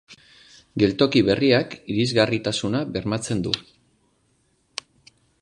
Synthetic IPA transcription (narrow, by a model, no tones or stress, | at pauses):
ɡe̞lt̪o̞kiβe̞riakiɾizɣarit̪asunaβe̞ɾmat͡se̞nd̪u